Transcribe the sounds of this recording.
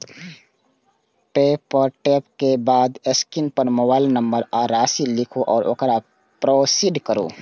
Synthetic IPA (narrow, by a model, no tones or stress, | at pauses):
peːpɔɾʈeːpkebaːd̪eskɪnpəɾmoːbaːɪlnə̃mbəɾaːɾaːsilɪkʰoʔɔːɾʔo̰ːkɾa | pɾoːsiɖkəɾo̰ː